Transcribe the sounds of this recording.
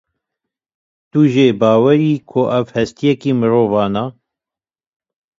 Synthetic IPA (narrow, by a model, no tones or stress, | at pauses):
t̪uʒeːbɑːwɛɾiːkʰʊʔɛvhɛst̪ijɛkiːmɨɾoːvɑːnɑ